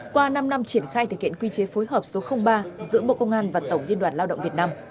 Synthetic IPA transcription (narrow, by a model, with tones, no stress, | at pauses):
kwaː˧na˧mna˧mt͡ɕi˧˩ənxaː˧jt̪ɨ˨˩khḭ˧˨ənkwi˧t͡ɕe˨˦fo˨˦jɦəː˨˩p̚so˨˦xə˧wŋ͡mɓaː˧zɨ̰˧˥ɓo̰˧˨kə˧wŋ͡mʔaː˧nvaː˨˩t̪ə˧˩wŋ͡mzi˧ənɗwaː˧˩nlaː˧wɗə̰˧˨ŋ͡mvi˨˩ət̚naː˧m